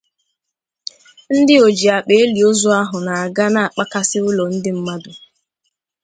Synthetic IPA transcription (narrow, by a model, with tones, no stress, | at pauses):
n̩˦dɪ˦o˨d͡ʒi˨a˨k͡pe˨e˦li˨o˦zɔ˦a˦ɦʊ˨na˨a˨ɡa˦na˨a˨k͡pa˦ka˦sɪ˦ʊ˦lɔ˨n̩˦dɪ˦m̩˦ma˦dʊ˨